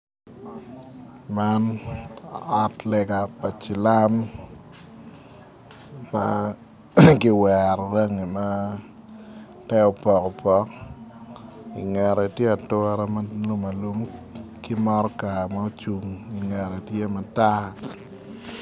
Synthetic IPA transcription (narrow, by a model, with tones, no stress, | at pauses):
ma˦n | ɔ˦tlɛ˨ɡa˨pa˨t͡ʃɪ˨la˦m | ma̰ | kɪ˦wɛ˨ɾɾa˦ŋi˨ma˦ | tɛ˦ɔ˨pɔ˨kɔ˨pɔ˦k | ḭ˨ŋɛ˨ɾɔ˨i˨tje˦a˨tʊ˦ɾa˦ma˦lu˦ma˨lu˦mkɪ˦mɔ˦ɾɔ˦ka˨ma˦o˦t͡ʃu˨ŋi˨ŋɛ˨ɾɔ˨i˨tje˦ma˨ta˦